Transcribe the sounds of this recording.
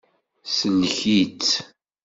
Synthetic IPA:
sənːəçit͡s

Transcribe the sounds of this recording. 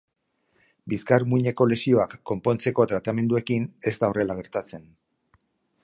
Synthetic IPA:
biskaɾmuɲe̞ko̞le̞sio̞akːo̞mpo̞nt͡se̞ko̞t̪ɾat̪ame̞nd̪ue̞kine̞st̪ao̞re̞laɣ̞e̞ɾt̪at͡se̞n

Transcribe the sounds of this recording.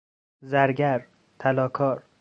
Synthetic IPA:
zæɾɟæɾ | t̪ʰælɒːkʰɒːɾ

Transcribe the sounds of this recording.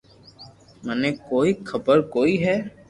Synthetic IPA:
mɛnekoːixʰɐbəɾkoːiɦɛː

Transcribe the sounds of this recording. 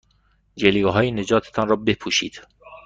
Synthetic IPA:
d͡ʒeliɡɒːɦɒːjened͡ʒɒːt̪ʰe̥t̪ʰɒnrɒːbe̞pʰuːʃiːd̪̥

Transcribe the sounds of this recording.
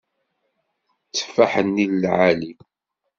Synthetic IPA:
t͡sːə̥fːaħənːillʕali

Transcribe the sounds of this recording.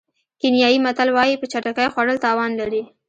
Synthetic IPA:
kɪnjɑjimat̪alwɑjipət͡ʃaʈakajxwaɽəlt̪ɑwɑnlaɾi

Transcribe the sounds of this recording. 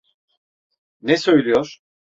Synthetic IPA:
nɛsø̞jlʲijoɾ̥

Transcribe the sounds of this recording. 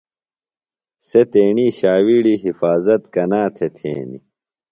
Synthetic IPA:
set̪eːɳiːɕaːwiːɽiɦifaːzɐt̪kɐnaːt̪ʰet̪ʰḛːnḭ

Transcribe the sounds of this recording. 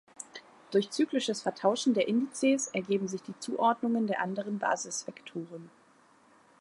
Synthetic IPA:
d̥ʊɐçt͡syːklɪʃəsfɛɐtʰaʊʃn̩deːɐʔɪndit͡seːsʔɛɐɡeːbm̩zɪçd̥iːt͡suːʔɔɐdnʊŋəndeːɐʔandəʁənba̰ːzɪsv̥ɛktʰoːʁ̞ən

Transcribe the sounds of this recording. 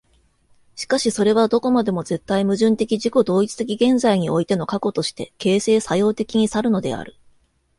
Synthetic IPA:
ɕi̥kaɕiso̞ɾe̞β̞ad̪o̞ko̞mad̪e̞mo̞ze̞t̪ːaimɯ̟ʑɨ̃nt̪e̞kʲiʑiko̞d̪o̞ːit͡sɨ̥t̪e̞kʲiɡẽ̞nzaiɲ̟io̞it̪e̞no̞kako̞t̪o̞ɕi̥t̪e̞ke̞ːse̞ːsajo̞ːt̪e̞kʲiɲ̟isaɾɯ̟no̞d̪e̞̰a̰ɾɯ̟̰

